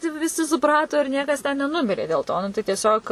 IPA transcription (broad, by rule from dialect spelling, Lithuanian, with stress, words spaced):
ˈtɐɪ ʋʲɪ ʋʲɪˈsʲɪ sʊˈprɑːtoː ɪr ˈnʲiɛkɐs tʲɛn nʲɛˈnʊmʲɪrʲeː dʲeːlˠ ˈtoː ˈnʊ tɐɪ tʲiɛˈsʲoːk